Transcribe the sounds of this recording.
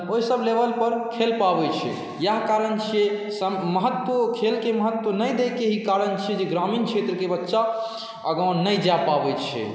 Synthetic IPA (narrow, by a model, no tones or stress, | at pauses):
oɦisəblebəlpəɾkʰelpabɛt͡ʃʰɛ̰ | jaɦkaɾənt͡ʃʰesəmməɦət̪wəkʰelkeməɦət̪wənəjd̪ekeɦikaɾənt͡ʃʰɛd͡ʒeɡɾaminkt͡ʃʰet̪ɾəkebətːʃa | əɡə̃nəjd͡ʒapabɛt͡ʃʰɛ̰